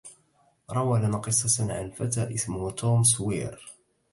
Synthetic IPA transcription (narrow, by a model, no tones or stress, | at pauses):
ɾˤɑwalanaqɨsˤːɑʕanfat̪aːʔɪsmʊht̪uːmswiːɾ